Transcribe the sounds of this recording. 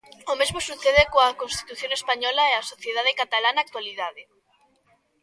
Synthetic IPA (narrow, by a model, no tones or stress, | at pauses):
omezmosuθeðekoakonst̪i̥t̪uθjoŋespaɲɔlaɛasoθjeð̞að̞ekat̪alanak̚t̪waliðaðe